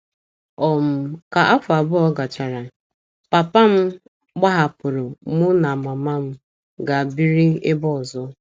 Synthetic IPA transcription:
ɔ˨m̩˦ka˨ʔa˦fʊ˨a˨bʊ˦ɔ˦ɡa˨t͡ʃa˨ɾa˨ | pa˨pa˦m̩˦ | ɡ͡ba˦ɦa˨pʊ˨ɾʊ˨mʊ˦na˨ma˨ma˦m̩˦ | ɡa˨bi˦ɾi˦e˦bɔ˦ɔ˨zɔ˦

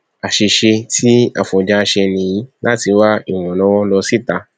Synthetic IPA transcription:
a˨ʃi˧ʃe˧tʰi˦a̰˨fɔ̃˨d͡ʒa˧ʃɛ˧nĩ˨ji˨˦la˦ti˧˦wa˦i˦˨w̃ɔ̃˨lɔ̃˨˦wɔ̃˦lɔ˧si˦˨ta˧

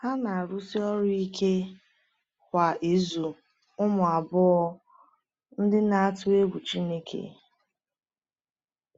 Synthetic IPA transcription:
ha˦na˨a˨ɾʊ˦si˦ɔ˦ɾʊ˦i˦kʰe˦ | kʷa˨ʔi˨˦zu˨ | ʊ˦mʊ˨a˨bʊ˦ɔ˦ | n̩˦dɪ˦na˦a˦tʊ˦e˦ɡʷu˨t͡ʃi˦ne˦kʰḛ˨

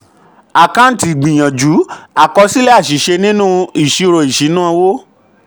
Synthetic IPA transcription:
a˨kã˦n̩˦ti˨ɡ͡bĩ˨j̃ã˨d͡ʒu˨˦a˨kɔ˧si˦lɛ˦a˦˨ʃi˨˦ʃe˧nĩ˦nũ˦i˨ʃi˨˧ɾo˨i˨ʃi˨˦nãː˦˧wo˦

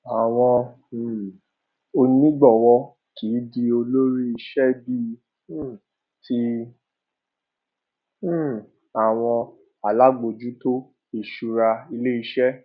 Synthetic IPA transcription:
a˨w̃ɔ̃˧˨ | o˧nĩ˦ɡ͡bɔ˦˨wɔ˧ | ki˨˦di˧o˧lo˦ɾi˦i˧ʃɛ˦bi˦˧˦ | ti˦ | a˦˨w̃ɔ̃˧ | a˨la˦ɡ͡bo˧d͡ʒu˦to˦ | e˨ʃu˧ɾa˧i˧le˦i˧ʃɛ˦

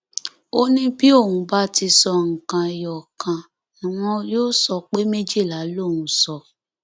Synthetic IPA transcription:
o˦nĩ˦bi˦o˦˨wũ˧ba˦ti˧sɔ˧ŋ̩˨kã˨jɔ˨kã˨ | nĩ˨w̃ɔ̃˧joː˦sɔ˧k͡pe˦me˦d͡ʒi˦˨la˨˦lo˦˨wũ˧˦sɔ˧˨

